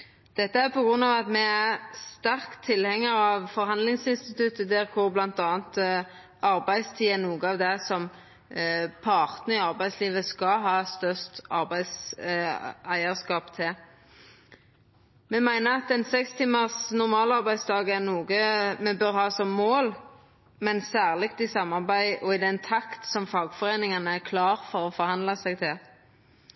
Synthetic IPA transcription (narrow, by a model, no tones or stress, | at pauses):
d̪̥ɛt̪ːəæɾpɔɡʁʉnːɑːʋɑt̪mɛæʁst̪æʁkt̪ʰːɪlhɛŋːəɾɑʋfɔʁhɑnd̪lɪŋsɪnst̪ɪt̪ʉt̪ːəd̪ɛʁkʰʊʁblɑnt̪ɑːnt̪ | ɑɾbæɪst̪ʰiːənuːɡəɑʋd̪ɛsɔm | pʰɑʁt̪nəɪɑʁbæɪsliːʋəskɑɦɑːst̪œst̪ɑ̰ɾbæɪs | æɪəʁskɑːpt̪ʰɪ | mɛmæɪnəɑt̪ɛnsɛkst̪ʰiːməʁsnʊʁmɑːlɑʁbæɪd̪sd̪ɑːɡɛʁnuːɡəmɛbœʁɦɑːsɔmːoːl | mɛnsæːʁlɪkt̪ɪsɑmːɑʁbæɪʔɔɪd̪ɛnt̪ʰɑkt̪sɔmfɑːɡfɔʁeːnɪŋɑnəæʁkʰlɑːʁfɔɾɔfɔʁhɑnd̪lɑsɛɡ̚t̪ʰɪl